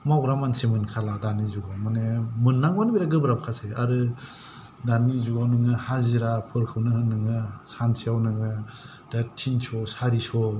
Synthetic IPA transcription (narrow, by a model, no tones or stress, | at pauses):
mawɾamansemɯnkʰaladanizuɡawmanemɯnːaŋbanbiɾaɡɯbɾabkʰaseaɾɯ | danizuɡawnɯŋɯhaziɾapʰɯɾkʰɯwnɯhɯnːɯŋɯsansʰijawnɯŋɯ | datʰinsʰɔsaɾisɔ